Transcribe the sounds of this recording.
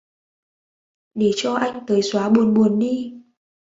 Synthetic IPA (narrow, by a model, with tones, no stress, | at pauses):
ɗe˧˩t͡ɕɔ˧ʔa˧jŋ̟t̪əː˨˦jswaː˨˦ɓu˨˩ənɓu˨˩ənɗi˧